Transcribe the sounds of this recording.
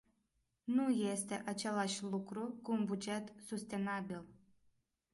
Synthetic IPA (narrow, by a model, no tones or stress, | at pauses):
nuje̞st̪e̞ʔat͡ʃe̞laʃʲlukɾukuːnbud͡ʒe̞t̪sust̪e̞nabil